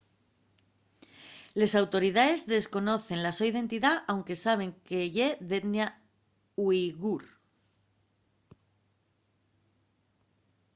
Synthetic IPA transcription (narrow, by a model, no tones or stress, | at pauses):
le̞sawt̪o̞ɾið̞ae̞zðe̞sko̞no̞θe̞nlasoiðe̞nt̪iðaʔawŋke̞saβ̞e̞ŋkeʝeðet̪nja | wiɣuɾ